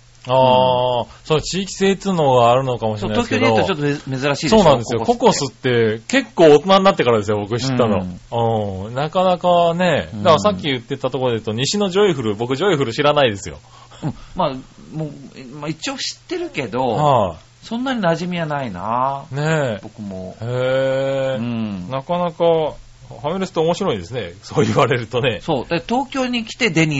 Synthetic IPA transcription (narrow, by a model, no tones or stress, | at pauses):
aːsoot͡ɕiːkʲi̥se̞ːt͡sɨno̞ːɡaːɾɯ̟nokamo̞ɕiɾnat̪okskoeɲoat͡ɕot̪ːome̞zɨɾaɕiːso̞ːnãnd̪e̞ɨjoko̞ko̞sɨt̪ːe̞ke̞kːo̞ːt̪o̞naɲʲnat̪ːe̞kaɾad̪e̞sɨjo̞bo̞kɯ̟ɕi̥t̪ːano̞̰ɯ̃nakanakane̞d̪akasakʲːijɯ̟t̪ːet̪at̪o̞ko̞ɾod̪et̪oɲ̟iɕino̞ʑo̞iɸɯ̟ɾɯ̟bo̞kɯ̟ʑo̞iɸɯ̟ɾɯ̟ɕiɾanaid̪e̞sɨjo̞̰ | ɯ̃mamomait͡ɕio̞ːɕi̥t̪ːe̞ɾɯ̟ke̞d̪o̞ha | sõ̞nːaɲ̟inaʑimʲijanainane̞b̥o̞kɯ̟mo̰heː | nakanaka | hameɾɯsɨ̥t̪eomo̞ɕiɾo̞ĩd̪e̞sɨne̞soːjɯβaɾe̞ɾɯ̟t̪o̞ne̞so̞ːd̪at̪at̪o̞ːkʲo̞ːɲ̟ikʲi̥t̪e̞d̪e̞ɲ̟i